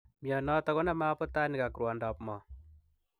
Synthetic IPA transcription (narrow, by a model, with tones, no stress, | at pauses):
miɔ˨nɔ˦ta˦kɔ˦na˦ma˦pɔ˦ta˦ni˨ka˨kɾwɔ˨ndɔ˨pmɔ˨